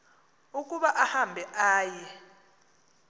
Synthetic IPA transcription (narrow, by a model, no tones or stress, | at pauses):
uk̬ʼuɓaʔahambʱɛʔaːjɛ